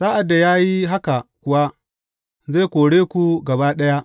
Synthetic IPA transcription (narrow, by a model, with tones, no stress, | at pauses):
zaː˦ʔa˨dːa˨jaː˦ji˦ɦa˦ka˨kʷʊ˨wa˦ | za˦˨kʷoː˨ɽeː˦kʷu˦ɡɐ˨baː˦ɗɐ˦ja˦